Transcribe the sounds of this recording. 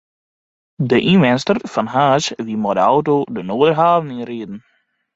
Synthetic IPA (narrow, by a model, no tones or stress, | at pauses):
dəʔinʋɛnstərfɑnɦaːsʋimɔdəawtodənoːdərɦaːvəninreːdən̩